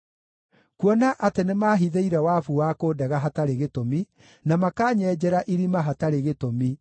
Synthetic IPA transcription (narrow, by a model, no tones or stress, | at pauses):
kwɔnaʔatenemaːɦiðeiɾɛwafuwakoːdɛɣaɦataɾeɣetomi | namakaːɲɛd͡ʑɛɾaʔiɾimaɦataɾeɣetomi